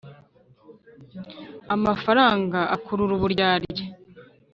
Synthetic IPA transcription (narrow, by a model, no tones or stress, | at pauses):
amafaɾaːŋɡaʔakʰuɾuɾuβuɾɟaːɾɟe